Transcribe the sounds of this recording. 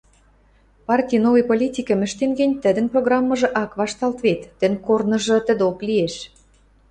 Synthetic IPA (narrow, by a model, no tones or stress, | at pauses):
pɑrtʲijnovɤ̆jpolʲitʲikə̆mɘ̆ʃt̪enɡĕnʲt̪ə̆d̪ə̆nproɣrɑmːɤ̆ʒɤ̆ʔɑkβɑʃt̪ɑlt̪βet̪ːə̆nʲkornɤ̆ʒɤ̆t̪ə̆d̪oklieʃ